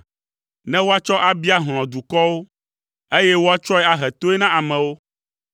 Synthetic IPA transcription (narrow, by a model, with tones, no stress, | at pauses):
nɛ̃˦wo˦a˦t͡ʃɔ˦ʔa˦bi˦a˦ɦl̃ɔ̃˨d̪u˨kɔ˦wo˦ | e˦jɛ˦wo˦a˦t͡ʃɔ˦ɛ˦a˨ɦɛ˨t̪o˦ɛ˦nã˦a˨mɛ̃˨wo˦